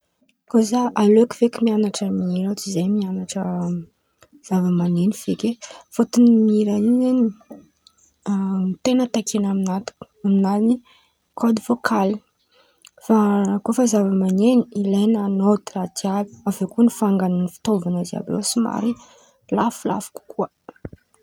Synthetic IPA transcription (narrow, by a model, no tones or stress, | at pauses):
kozaʔaleku̥vekimianaʈ͡ʂəmiiɾat͡sizejmianaʈ͡ʂə | z̥avəmanenifekefot̪unimiiɾaizeni | it̪enət̪akʰenaminat̪u̥kaminani | kʰod̪ivokʰali | fakofəzavəmaneniilenanot̪irat̪ialu̥avekuənifaŋɡannifi̥t̪ovanəza̰blo̰sima̰ɾi | lafula̰fu̥ku̥kuə